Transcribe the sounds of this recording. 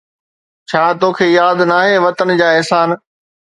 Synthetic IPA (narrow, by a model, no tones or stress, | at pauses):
t͡ɕʰaːt̪oːkʰeːjaːd̪naːɦeːʋɐt̪ənd͡ʑaːɛɦsaːn